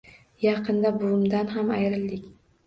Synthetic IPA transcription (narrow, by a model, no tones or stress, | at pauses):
jɑqʰɨnd̪abʊʊmd̪anɦamajɾɪld̪ɪkʲ